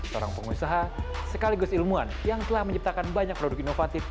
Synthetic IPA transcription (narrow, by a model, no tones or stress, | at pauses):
səo̰ɾa̰ŋpəŋusaɦasəkaliɡʊsilmuanjaŋt̪əlahməɲip̚t̪akanbaɲak̚pɾodʊkinofat̪ɪf